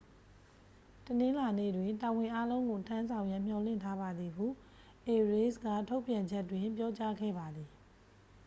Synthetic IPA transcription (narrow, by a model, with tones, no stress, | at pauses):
tənɪ̃˦la˨nḛ˦˨dwɪ̃˨nta˨wɪ̃˨ʔa˦lõ˦ʊ̃ŋɡo˨tʰã˦nzʰã˨ʊ̃jã˦m̥jɔ˨lɪ̰̃˦˨ntʰa˦ba˨d̪ði˨ɦṵ˦˨ | ʔe˨ɹe˦sɡa̰˦˨tʰo˦ʊʔpjã˨ɲd͡ʑɛ˦tːwɪ̃˨mpjɔ˦t͡ɕa˦ɡɛ̰˦˨ba˨d̪i˨